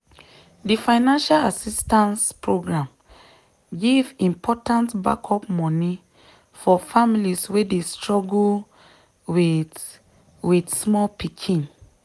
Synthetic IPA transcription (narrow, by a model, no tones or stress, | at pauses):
difãɪnãnʃalasistãnspʰɹoɡɹãm | ɡivĩmpʰɔtãntba̰kʰɔpmɔni | fɔfamiliswedestɹɔɡl | wi | widsmɔlpikʰĩn